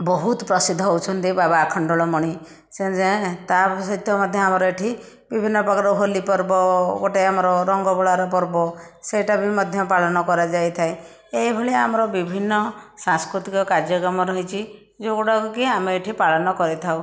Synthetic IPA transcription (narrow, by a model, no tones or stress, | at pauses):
bɔɦut̪pɾɔsid̪ʱːɔɦowt͡ʃʰɔnt̪ibabaːkʰɔɳɖɔɭɔmɔɽ̃i | sed͡ʒet̪asɔjt̪ʰɔmɔd̪ʱjɔamɔɾɔeʈʰi | bibʱinːɔpɔkaɾɔɦolipɔɾbɔɡoʈeamɔɾɔɾɔŋɡɔbɔɭaɾɔpɔɾbɔseʈabimɔd̪ʱjɔpaɭɔnɔkɔɾad͡ʒajt̪ʰaj | ejbʱɔɭiamɔɾɔbibʱinːɔsãŋskɾut̪ikɔkaɾd͡ʒjɔkɾɔmɔɾɔɦit͡ʃʰi | d͡ʒokoɽɔkukiameeʈʰipaɭɔnɔkɔɾit̪ʰaw